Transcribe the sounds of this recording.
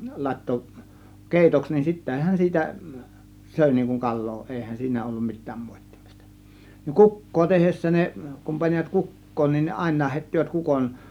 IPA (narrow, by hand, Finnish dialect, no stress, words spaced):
lɑˑe̝tːo keˑitoks nin sitːehæn siːtæ søˑe̝ niːŋ kuŋ kɑlˑoː ʔeˑihæn siːnæ olːum mi̞tˑæːm moˑe̝tːi̥m̥i̥stɑ̥ ni kukːoː tehesːæ ne kum pɑniʋɑt kukːoːn nin ɑˑe̝nˑɑːh heˑitːiʋæt kukon